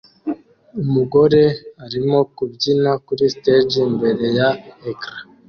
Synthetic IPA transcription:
umuɡoɾeaɾimokubɟinakuɾisted͡ʒimbeɾejaekɾa

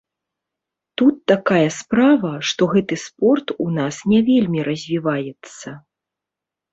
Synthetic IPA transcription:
t̪ut̪ːakajɐspɾavɐʂt̪ɔɣɛt̪ɨspɔrt̪unasnʲɛvʲelʲmʲiɾʔɐzʲvʲivajɛt̪sːɐ

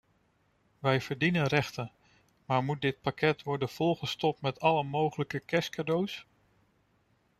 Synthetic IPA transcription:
ʋɛjv̥əɹdinənrɛχtən | maːɹmut̚dɪt̚pakɛtʋɔɹdənv̥ɔlˠχəstɔp̚tmɛtɑləmowχələkəkɛskadows

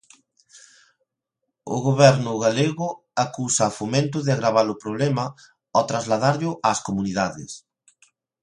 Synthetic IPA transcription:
ʊ̰ɣoβɛɾnʊɣaleɣʊ | akusɐːfomẽnt̪ʊðɪaɣɾaβalʊpɾoβ̞lɛmɐ | ɔt̪ɾazlaðaɾʎʊʔaskomuniðaðɪ̰s

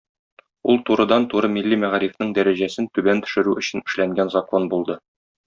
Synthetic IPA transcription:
ulˠt̪uɾɤ̆d̪ɑnt̪uɾɤmilːimæʁɾifnɘɴd̪æɾæʑæsɘnt̪ʉbænt̪ɵ̥̆ʃɘ̆ɾʉɵ̆ɕɘ̆nɘ̆ʃlæŋɡænzɐko̞nbulˠd̪ɤ

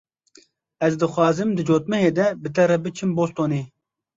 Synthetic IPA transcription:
ɛzd̪ɨxwɑːzɨmd̪ɨd͡ʒoːt̪mɛɦeːd̪ɛbɨt̪ɛɾɛbɨt͡ʃʰɨmboːst̪oːneː

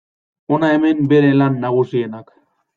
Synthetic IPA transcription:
onaeme̞mbe̞ɾe̞lanːaɣ̞usienak

